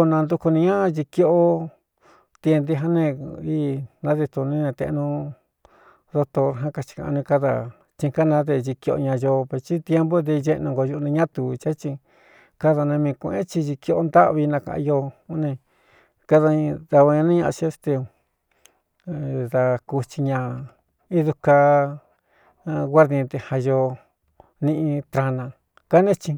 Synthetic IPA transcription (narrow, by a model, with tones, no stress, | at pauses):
o˧nã˧nd̪u˧ku˧nĩ˧ɲã˦˧ʒi˧ko˧o˦ | t̪i˧e˧nd̪i˧ɦa˦nẽ˧i˦˧nã˧˦ðe˧t̪u˧nĩ˦nẽ˧t̪ḛ̃˧nũ˧ | ðo˧t̪o˧ɾɦã˦ka˧t͡ʃi̥˧kã̰˧ʔa˧nĩ˧ka˧ða̰˧˨ | t͡ʃĩ˧ka˦nã˧˦ðe˧ʒi˧ki˧o̰˧ɲã˧jo˧pe˧t͡ʃi˦t̪je˦mbo˦d̪e˧ʒe˧ʔnũ˧ŋɡo˧ʒu˧nĩ˧ɲã˦t̪u˨˧t͡ʃa˦t͡ʃi˧ | ka˦ða˧nã˧mĩ˧kʷʔḛ̃˦t͡ʃi˧ʒi˧ki˧o˧ʔo˧nd̪a˦ʔβi˧nã˧kã̰˧ʔã̰˧jo˧u˧˦nĩ˧ | ka˧ðã˧ða˧βa˧ɲã˧nã˦ɲã˧ʔa˧t͡ʃi˧e˧st̪e˧ | ða˧ku˧t͡ʃi˧ɲã˧ | i˦ðu˧ka˧ | ɡʷa˦ɾðĩ˧t̪e˧ha˧jo˧ | nĩ˧ʔĩ˧t̪ɾa˧nã˧ | ka˦nẽ˦t͡ʃĩ˧